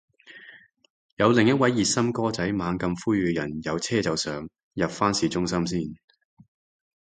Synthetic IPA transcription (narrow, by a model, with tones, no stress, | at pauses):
jɐ˨˧wlɪ˨ŋjɐ˥t̚wɐ˨˥jːiː˨tsɐ˥mkɔː˥t͡sɐ˨˥jmaː˨˧ŋkɐ˧mfuː˥jɥyː˨˧jɐ˨˩njɐ˨˧wt͡sʰɛː˥t͡sɐ˨wsœː˨˧ŋ | jɐ˨p̚faː˥nsiː˨˩t͡sʊ˥ŋsɐ˥msiː˥n